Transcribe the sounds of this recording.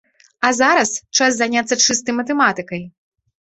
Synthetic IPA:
ɐzaɾɐst͡ʂaszanʲat̪sːɐt͡ʂɨst̪ɐjmɐt̪ɛmat̪ɨkɐj

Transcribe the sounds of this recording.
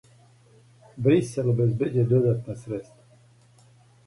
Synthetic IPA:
bɾisʲɛləbɛzbɛd͡ʒɛd̪od̪at̪nasɾɛst̪

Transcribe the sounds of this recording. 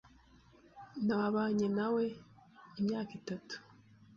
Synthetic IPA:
naaβaɲenawe̞imɲaːkitatu̥

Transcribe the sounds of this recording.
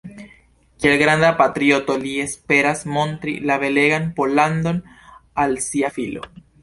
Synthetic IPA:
kielɡɾand̪apat̪ɾio̞tolie̞spe̞ɾasmo̞ntɾḭlaβe̞le̞ɡanpo̞land̪o̞n | alsiafilo̞̰

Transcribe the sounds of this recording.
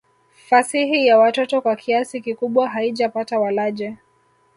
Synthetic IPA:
fasihijawatɔtɔkwakʰiasikikuɓwaɦaiʄapatawalaʄɛ

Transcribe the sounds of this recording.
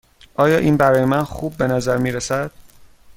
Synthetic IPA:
ʔɒːjɒːʔiːnbæɾɒːjemænxuːb̚ːe̞næzæɾmiːɾesæd̪̥̚

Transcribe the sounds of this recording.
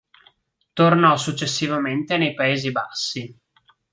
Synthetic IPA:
t̪ornɔsut͡ʃːesːivament̪enejpaeːzibasːi

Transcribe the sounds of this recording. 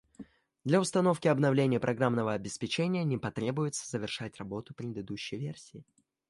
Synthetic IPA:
d̪lʲɐʊst̪ɐno̞fkʲɪɐbnɐvlʲenʲɪjəpɾɐɡɾamnəvəɐbʲɪspʲɪt͡ɕenʲɪjənʲɪpɐt̪ɾʲe̞bʊjɪt̪sə̥zəvʲɪrʂatʲrɐbo̞t̪ʊpɾʲɪd̪ɨd̪uɕːɪjvʲersʲɪɪ

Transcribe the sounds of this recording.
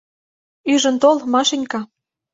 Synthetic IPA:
yʒə̆nt̪olmɑʃenʲkɑ

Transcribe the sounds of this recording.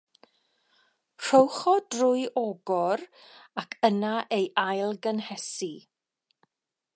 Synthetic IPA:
r̥owχɔdrʊɨʔɔɡɔrakʰənaʔejʔajlˠɡənhɛsi

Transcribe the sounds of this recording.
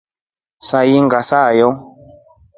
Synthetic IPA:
sajiŋɡasajɔ

